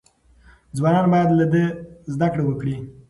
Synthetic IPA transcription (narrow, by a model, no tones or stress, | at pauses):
d͡zwɑnɑnbɑjad̪lad̪əzd̪akɽewəkɽi